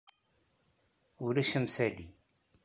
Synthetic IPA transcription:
ʊɾæʃəmsæli

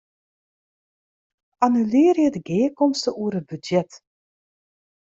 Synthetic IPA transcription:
anylɪːrjədəɡeːəkɔmstəʔuərət̚bydjɛt

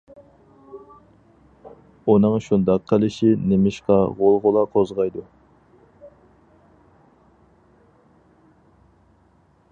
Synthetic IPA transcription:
unɨŋʃund̪ɑqʰːəlɪʃinemɪʃqɑʁolˠʁʊlˠɑqʰozʁɑjd̪u

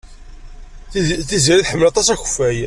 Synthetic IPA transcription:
θiziɾiθħəmːəlɑt̪ˤɑsæçə̥fæj

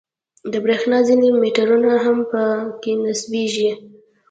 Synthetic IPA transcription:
d̪əbɾexnɑzinimeʈaɾunaɦampəkenasbeʒi

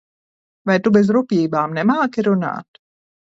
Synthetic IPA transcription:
vajt̪ubɛzɾupʲiːbaːmnɛmaːkiɾuna̰ːt̪

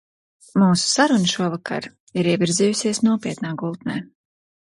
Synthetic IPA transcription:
muːsu̥saɾunʃuɔvakʰa̰ɾ | iɾiɛvʲiɾziːjusiɛsnuɔpʲiɛt̪naːɡulˠt̪nɛː

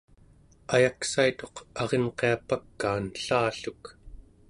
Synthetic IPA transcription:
ajaksait̪o̞qɑʁenqe̞apakːaːnɬaːɬuk

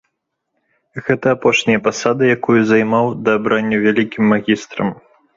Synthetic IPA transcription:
ɣɛt̪ɐːpɔʂnʲɐjɐpasad̪ɨjakujuzajmawd̪ɐːbɾanʲːɐvʲalʲikʲimːaɣʲist̪ɾɐ̰m

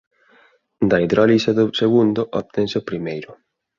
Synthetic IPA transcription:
d̪aiðɾɔliseðʊseɣund̪ʊʔɔpt̪ẽnsɪopɾimejɾʊ

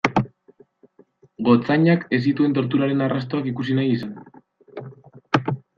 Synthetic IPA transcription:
ɡo̞t͡saɲake̞sit̪ue̞nt̪̬o̞ɾt̪̬uɾaɾe̞narast̪o̞akikusinajisan

